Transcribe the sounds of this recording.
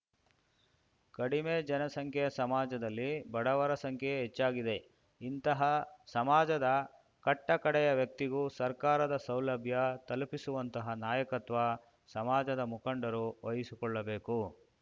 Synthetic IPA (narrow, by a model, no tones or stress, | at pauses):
kɐɽimeːd͡ʒɐnɐsɐŋkʰɛjɐsɐmaːd͡ʒɐd̪ɐlːibɐɽɐʋɐɾɐsɐŋkʰɛɦet͡ʃːaːɡid̪e̞ | int̪ɐɦɐsɐmaːd͡ʒɐd̪ɐ | kɐʈːɐkɐɽɛjɐʋjɐk̚t̪iɡusɐɾkaːɾɐd̪ɐsɐwlɐbʱjɐt̪ɐlupisuʋɐnt̪ɐɦɐnaːjɐkɐt̪ʋɐ | sɐmaːd͡ʒɐd̪ɐmukɐɳɖɐɾuʋɐjisikɔɭːɐbe̞ːku